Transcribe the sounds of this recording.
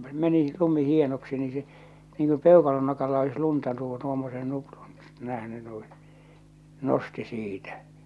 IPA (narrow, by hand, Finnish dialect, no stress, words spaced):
meni lumi hienoksi ni se niːŋ ku peˑokɑlon nokɑlːɑ olis luntɑ tuː tuomːosen nuprun næhny nuĩː nosti siːtæ